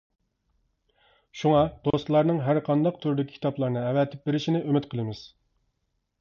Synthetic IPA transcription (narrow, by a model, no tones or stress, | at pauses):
ʃuŋɑd̪̥ost̪lˠɑɾnɨŋɦæɾqʰɑnd̪ɑqt̪ʰyɾd̪ɪkʲi̥i̥t̪ɑplˠɑɾnɨɛvɛt̪ʰɪp̚beɾɪʃinɪʔømɪt̪qʰəlˠɨmɪz̥